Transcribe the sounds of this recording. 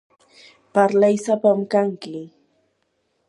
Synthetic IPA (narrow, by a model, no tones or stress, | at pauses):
paɾlajsapamkaŋkɪ